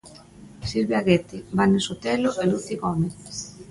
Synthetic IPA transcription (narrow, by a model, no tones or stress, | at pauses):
silβeaɣet̪ibanesot̪eloʔeluθiɣɔmeθ